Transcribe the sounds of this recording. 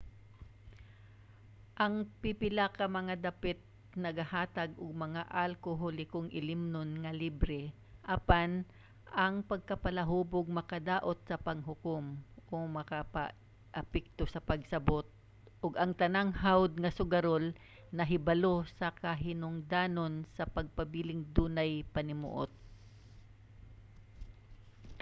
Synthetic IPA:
ʔɐŋpɪpɪlakɐmɐŋad̪ɐpɛt̪̚ | nɐɡɐhaːt̪aɡʔʊɡ̚mɐŋaʔalkoɦolɪkʊŋʔɪlɪmnonŋɐlibɾɛ | ʔapan | ʔɐŋpɐɡ̚kɐpɐlɐɦuːboɡ̚mɐkɐd̪aːʔot̪̚sɐpɐŋɦʊkomʔomɐkapa̰ | ʔɐpɛk̚t̪osɐpɐɡsɐbot̪̚ | ʔʊɡɐŋt̪ɐnaŋhawd̪̚ŋɐsʊɡaɾol | nɐɦɪbalosɐkɐɦɪnʊŋd̪aːnonsɐpɐɡ̚pɐbilɪŋd̪uːnajpɐnɪmṵʔot̪̚

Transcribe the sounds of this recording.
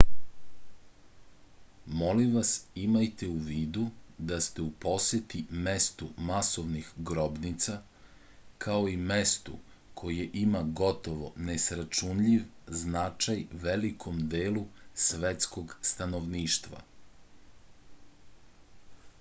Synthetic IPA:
mo̞limʋasimajt̪euʋiːd̪ud̪ast̪eupo̞set̪ime̞st̪umasoʋnixɡɾo̞bnit̪sa | kʰaoimest̪ṵ | kʰo̞jeʔimaɡo̞t̪oʋonesɾat͡ʃunʎiʋznat͡ʃajʋelikʰomd̪eːlusʋet̪sko̞ɡst̪anoʋniːʃt̪ʋa̰

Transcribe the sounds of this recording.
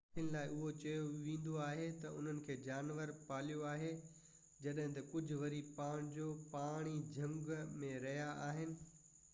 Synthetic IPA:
ənɪlaːɪʔʊɦot͡ɕɐjoʋĩːn̆d̪oaːɦet̪ɐʊn̤ənɪ̆kʰeːd͡ʑaːnʋəɾpaːlijoaːɦe | d͡ʑɐɗɦɪ̃t̪ɐkʊd͡ʑʱʊ̆ʋɐɾipaːɽ̃d͡ʑoːpaːɽ̃id͡ʑʱɐ̃ŋɡmẽɾɐɦijaaːɦɪnɪ̆

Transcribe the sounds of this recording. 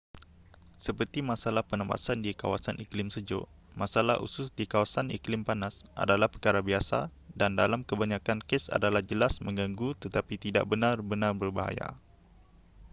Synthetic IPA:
səpərt̪imãsalahpənãmba̰sandika̰wa̰saniklɪmsəd͡ʒʊ̰ʔ | mãsalaɦʔṵsʊsdikawasanḭklɪmpanasʔa̰dalahpərkaɾabiasa̰dandalamkəbaɲãkankesa̰dalahd͡ʒəlasmə̃ŋɡaŋɡut̪ət̪apit̪ida̰ʔ̚bənãrbənãrbərbaɦa̰ja̰

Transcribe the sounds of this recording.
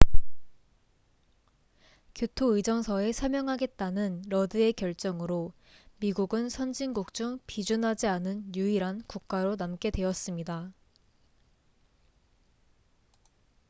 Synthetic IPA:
kjotʰoɯd͡ʑʌŋsʰʌe̞sʰʌmjʌŋɦaɡe̞t̚t͈anɯnɾʌdɯe̞kjʌɭt͡ɕ͈ʌŋɯɾo | miɡuɡɯnsʰʌnd͡ʑinɡuk̚t͡ɕ͈uŋpid͡ʑunɦad͡ʑianɯnjuiɾankuk̚k͈aɾonamk͈e̞dwe̞ʌs͈ɯmɲida

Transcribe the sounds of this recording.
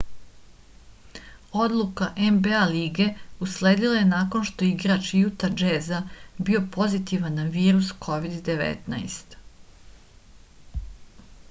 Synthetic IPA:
o̞d̪lˠukaʔembealiːɡe̞usleːd̪ilˠaje̞naːko̞nʃt̪o̞jeiɡɾat͡ʃjut̪ad͡ʒezabio̞po̞zit̪iʋanːaʋiːɾuskʰo̞ʋid̪ːeʋɛ̰t̪naest̪

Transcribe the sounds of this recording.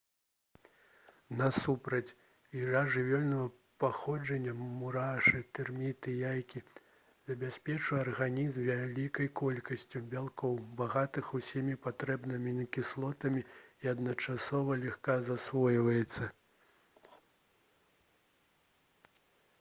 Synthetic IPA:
nɐsupɾɐt͡sʲ | iʐaʐɨvʲɔlʲnɐvɐ | paxɔd͡ʐɐnʲːɐmuɾaʂɨt̪ɨrmʲit̪ɨjajkʲi | zɐbʲasʲpʲɛt͡ʂɨɐrɣanʲizmvʲalʲikɐjkɔlʲkɐsʲt͡sʲubʲalˠkɔwbaɣat̪ɨxusʲimʲipat̪ɾɛbnɨmʲinɐkʲislˠɔt̪ɐmʲiiɐd̪nɐt͡ʂasɔvɐlʲaxkazasvɔjvɐjɛt̪sːɐ

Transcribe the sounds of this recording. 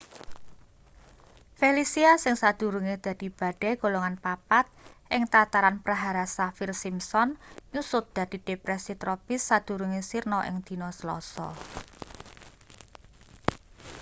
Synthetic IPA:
felisiasɪŋsad̪̥ṳɾuŋed̪̥a̤d̪̥i̤b̥a̤ɖ̥ɛ̤ɡ̥o̤loŋanpapat̪̚ʔɪŋt̪at̪aɾanpɾaɦaɾasafirsimsɔnɲusʊt̪̚d̪̥ä̤d̪̥i̤d̪̥epɾɛsit̪ɾɔpɪsːad̪̥ṳɾuŋesirnɔʔɪ̰ŋd̪̥i̤nɔsəlɔ̰sɔ̰

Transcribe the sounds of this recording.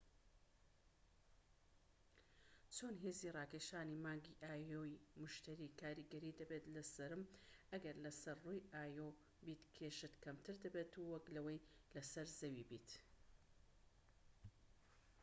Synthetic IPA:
t͡sʰoːnɦeːziːrˤɑːkeːʃaːniːmaːŋɡiʔaːjoːjimʊʃt̪ɐɾikʰaːɾiːɡɐɾiːd̪ɐbet̪lɐsɐɾɨmɐɡɐɾlɐsɐɾruːjʔaːjo | biːt̪kʰeʃɨt̪kɐmt̪ʰɨɾd̪ɐbeːt̪uwɐklɐwɐjlɐsɐɾzɐwibḭːt̪

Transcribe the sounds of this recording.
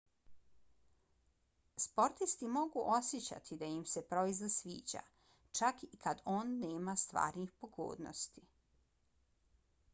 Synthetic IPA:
spo̞ɾt̪ist̪imo̞ɡuʔo̞sjet͡ɕa̰t̪ʰid̪ajimse̞pɾo̞izlasʋiːd͡ʑa̰ | t͡ʃakikʰad̪o̞ːnːeːmast̪ʋa̰ːɾnixpoɡo̰ːd̪no̰st̪i

